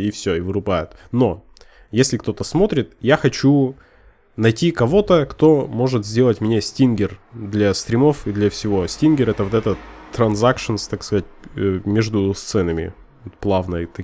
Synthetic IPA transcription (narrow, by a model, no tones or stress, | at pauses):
ifsʲoɪvɨɾʊbajʊt̪no̞ | jesʲlʲɪkt̪o̞t̪əsmo̞t̪ɾʲɪt̪jaxɐt͡ɕu | nɐjtʲikɐvo̞t̪əkt̪o̞mo̞ʐɨt̪zʲdʲe̞lˠətʲmnʲesʲtʲinɡʲɪrd̪lʲɐsʲt̪ɾʲɪmo̞fid̪lʲɐfsʲɪvo̞sʲtʲinɡʲɪɾəɛt̪əvot̪ɛt̪ət̪ːɾɐnzakʂɨnst̪akskɐzat̚ʲmʲeʐd̪ʊst̪sɛnəmʲɪ̰ | t̪plˠavnəjt̪ɐ